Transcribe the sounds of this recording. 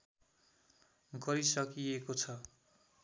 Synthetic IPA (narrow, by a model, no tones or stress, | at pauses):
ɡʌɾisʌkijekot͡sʰʌ